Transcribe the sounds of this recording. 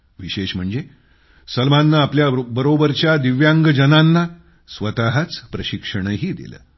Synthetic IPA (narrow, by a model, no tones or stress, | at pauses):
ʋiɕeʂm̤əɳd͡ze | səlmanːaːpljabəɾobəɾt͡ɕjad̪iʋjaŋɡəd͡ʑənanːa | sʋət̪aɦat͡spɾəɕikʂəɳ̃ɦiːd̪ḭlə̰